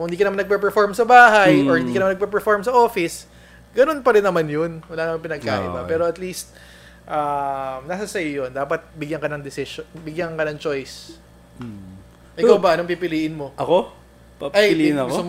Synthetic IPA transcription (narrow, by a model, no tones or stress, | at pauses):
ŋɪ̃nd̪ikɐnmanɐɡ̚pɛpɛɹfoɹmsɐbaːɦɐjoɹhɪnd̪iːkɐnmanɐɡ̚pɛp̬ɛɹfoɹmsɐʔo̞ːfɪs | ɡɐno̞npɐɾɪnːɐmanjonwɐlaːnɐmanpɪnɐɡ̚ka̰ːʔɪ̰bɐpɛːɾo̞ʔɐt̪liːst̪̚ | ʔɐmnɐsɐsɐjjond̪aːpɐt̪̚bɪɡjɐŋkɐnɐŋd̪ɪsɪʃonbɪɡjɐŋkɐnɐŋt͡ʃo̞js | ʔɪkawbɐɐnopipɪliːʔɪnmo̞ʔɐko | pʔɐjlnɐk